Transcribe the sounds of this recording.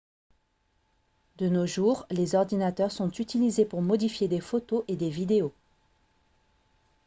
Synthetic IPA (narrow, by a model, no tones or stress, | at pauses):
d̪ənoʒuʁlezɔʁd̪inat̪œʁsɔ̃t̪yt̪ilizepuʁmɔd̪ifjed̪efot̪oʔed̪evid̪eo